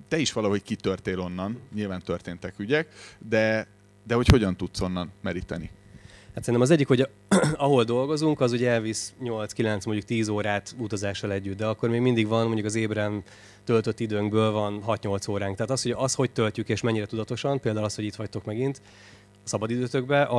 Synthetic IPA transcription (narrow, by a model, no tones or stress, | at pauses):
t̪ɛiʃʋɒlɒɦo̞ckit̪ørt̪eːlo̞nːɒnɲilvaːnt̪ørt̪eːnt̪ɛkyɟɛkd̪ɛ | d̪ɛho̞cho̞ɟɒnt̪ut̪so̞nːɒnmɛɾit̪ɛnḭ | hat̪sɛinɛmɒzɛɟːikho̞ɟ | ɒɦo̞ld̪o̞lɡo̞zuŋkɒzuɟɛɛlvisɲo̞lt̪skilɛnt̪smoɲɟuk̚t̪iːzoːɾaːt̪ut̪ɒzaːʃːɒlɛɟːyt̪̚d̪ɛɒkːo̞rmeːɡmind̪iɡvɒnmo̞ɲɟukɒzeːbrɛn | t̪ø̞lt̪ø̞t̪ːid̪øːŋɡbøːlvɒnɦɒt̪ɲo̞lt̪soːɾaːŋkt̪ɛɦːt̪ɒshoɒst̪ho̞ct̪øltykeːʃmɛɲːiɾɛt̪ud̪ɒt̪o̞ʃɒmpeːld̪aːulɒsthoit̪ʋɒct̪o̞kmɛɡint̪ | sɒbɒd̪id̪øːt̪øɡbɛʔɒ